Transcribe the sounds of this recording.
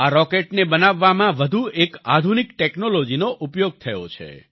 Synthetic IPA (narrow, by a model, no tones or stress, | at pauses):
aɾɔkeʈnebənaʋːamãʋəd̪ʱueka̰d̪ʱunikʈeknolod͡ʒinoʔupjoɡ̚t̪ʰəjo̰t͡ʃʰḛ